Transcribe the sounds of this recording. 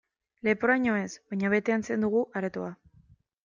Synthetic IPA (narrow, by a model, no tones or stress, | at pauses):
le̞poɾaɲo̞e̞sβaɲaβ̞e̞t̪e̞anse̞nd̪uɣ̞uʔaɾet̪oa